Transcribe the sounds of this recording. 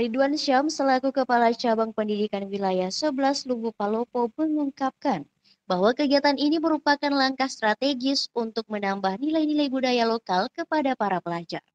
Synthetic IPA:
riduanʃamsəlakukəpalat͡ʃabaŋpəndidikanwilajahsəbəlaslubupalopoməŋuŋkap̚kan | baɦwakəɡiat̪aniniməɾupakanlaŋkahst̪ɾat̪eɡɪsunt̪ʊk̚mənambahnilajnilajbudajalokalkəpadapaɾapəlad͡ʒa̰r

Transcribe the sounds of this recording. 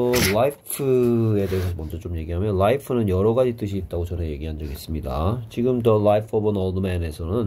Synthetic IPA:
laipʰɯe̞de̞ɦesʰʌmʌnd͡ʑʌt͡ɕ͈omje̞ɡiɦamjʌnlaipʰɯnɯnjʌɾʌɡad͡ʑit͈ɯɕ̬ʰiːt̚t͈aɡot͡ɕʌneje̞ɡiɦandʌɡes͈ɯmɲida̰t͡ɕiɡɯmdʌlaipʰʌbɯnʌldmene̞sʰʌnɯn

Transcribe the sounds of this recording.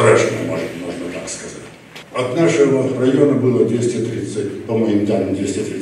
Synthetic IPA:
ɾaʂnʲəmo̰ʐɨt̪moʐnət̪akskɐzatʲ | ɐt̪naʂɨvərɐjonəbɨlˠəd̪ʲvʲesʲtʲɪt̪ɾʲit̪sɨtʲp̪omɨjɪnʲd̪ʲand̪ʲesʲtʲɪt̪ɾʲi

